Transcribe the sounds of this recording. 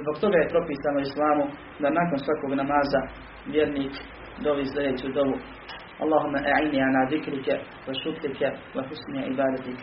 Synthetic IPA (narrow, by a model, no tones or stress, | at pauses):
zboɡt̪o̞ɡaːjepɾo̞piːsaːnoislˠaːmu | d̪anaːkonsʋako̞ːɡnamaːza | ʋjeɾniːk | d̪obiːsled̪et͡ɕiud̪obu | ʔɑ̰lˠːaːɦumːaʔaʕinːiːʕanaːðikɾikɛ | wɛʃuklikɛwaħʊsniʕḭbaːd̪at̪ik